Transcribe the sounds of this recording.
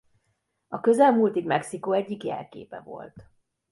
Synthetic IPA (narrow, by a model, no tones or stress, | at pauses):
ɒkø̞zɛlmult̪iɡmɛksikoːɛɟːikjɛ̰lkḛːpɛ̰vo̞̰lt̪